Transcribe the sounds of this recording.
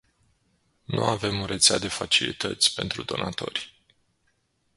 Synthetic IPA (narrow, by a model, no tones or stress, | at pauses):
nṵave̞muɾe̞t̪sead̪e̞fat͡ʃilit̪ət̪sʲpe̞nt̪ɾud̪o̞nat̪o̞̰rʲ